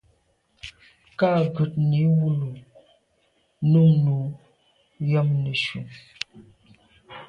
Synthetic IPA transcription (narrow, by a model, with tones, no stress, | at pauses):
ka˦˨ɡʉ˨t̚ni˨˦wu˦lu˨ | nu˦ŋnu˨ | jə˦mnə˨ʃṵ˨ŋ